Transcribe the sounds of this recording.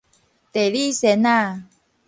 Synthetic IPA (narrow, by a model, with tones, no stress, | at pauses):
t̪e˨˩li˥˧˨sɛ˨˦na˥˧˨